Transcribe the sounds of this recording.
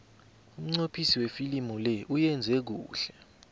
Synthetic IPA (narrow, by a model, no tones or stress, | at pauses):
um̩ŋ͡ǀopʰisiwefilimulɛʔujɛnd͡zʱɛk̬uːɬɛ